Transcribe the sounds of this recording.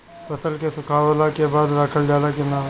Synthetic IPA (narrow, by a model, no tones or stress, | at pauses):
pət̪əlkesʊkʰaːwlakebaːd̪ɾakʰəld͡ʒaːlakenaː